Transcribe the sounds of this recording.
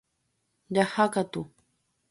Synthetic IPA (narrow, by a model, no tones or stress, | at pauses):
ʎahakat̪ʊ